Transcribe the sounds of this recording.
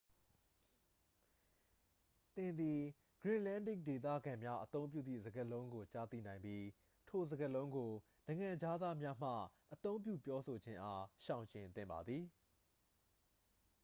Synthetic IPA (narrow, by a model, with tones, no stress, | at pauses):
t̪ɪ̃˨nd̪i˨ | ɡ̥ɹɪ̃˨ʔlã˦˨ndɪ˦˨k̚de˨t̪̬ä̰˦˨ɡã˨mja˦ʔət̪õ˦ʊ̃mp̬jṵ˦˨d̪ðḭ˦˨zə˨ɡəlõ˦ʊ̃ŋɡo˨t͡ɕa˦˨t̪ḭ˦˨nã˨ɪ̃mbji˦ | tʰo˨zəɡəlõ˦ʊ̃ŋɡo˨ | nã˨ɪ̃ŋã˨d͡ʑa˦d̪a˦mja˦m̥ä̰˦˨ʔət̪õ˦ʊ̃mp̬jṵ˦˨pjɔ˦so˨d͡ʑɪ̃˦ʔa˦ʃã˨ʊ̃ɲt͡ɕɪ̃˨nt̪ɪ̰̃˦˨mba̰˨d̪ði˨